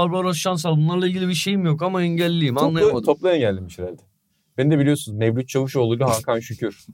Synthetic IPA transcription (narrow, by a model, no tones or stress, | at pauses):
alˠbˠaɾaʃans̬alˠbunlˠaɾlˠailʲɟilʲibiʃe̞jimjokamaɛɲɟælʲːijimanˠajmaoplˠajɛnɟælʲd̪ʲimiʃeɾælʲd̪ɛ | benid̪ɛbilʲijosunuzmevlʲyt̪̚t͡ʃʰavɯʃolˠuluɦakʰanʃycʰyɾ̥